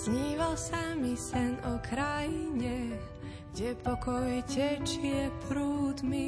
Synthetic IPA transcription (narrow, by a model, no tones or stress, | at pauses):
zɲiːʋalsamisɛnɔkɾajiɲɛ | ɡɲɛpʰɔkɔjɛcɛt͡ʃiɛpɾuːd̪mi